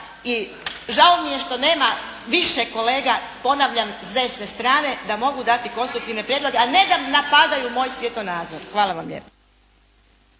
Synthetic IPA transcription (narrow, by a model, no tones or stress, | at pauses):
i | ʒaomije̞ʃt̪o̞ne̞ːmaʋiʃeko̞le̞ːɡapo̞naʋʎamzd̪e̞sne̞st̪ɾaːne̞d̪amo̞ɡud̪at̪iko̞nst̪ɾuk̚t̪iʋne̞pɾjed̪lo̞ɡe̞ane̞d̪amnapad̪ajumo̞ːjsʋjet̪onaːd̪zoɾxʋaːlaʋamʎḛp